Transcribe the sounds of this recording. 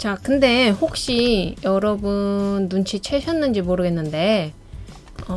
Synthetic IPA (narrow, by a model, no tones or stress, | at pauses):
t͡ɕakɯnde̞hok̚ɕ͈ijʌɾʌbundunt͡ɕʰit͡ɕʰeɕʰʌnːɯnd͡ʑimoɾɯɡe̞nːɯnde̞ | ʌ